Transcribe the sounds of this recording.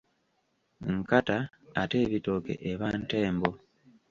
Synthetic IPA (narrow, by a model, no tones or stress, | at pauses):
ŋkataː | teːβitokḛʔeβante̞ːmbo